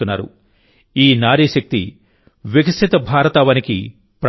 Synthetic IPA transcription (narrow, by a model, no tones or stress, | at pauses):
unːa̰ːɾṵ | iːnaːɾiːʃɐk̚t̪ḭ | ʋjekɐsʰit̪ɐbʱaːɾɐt̪aʋɐnikḭ | pɾ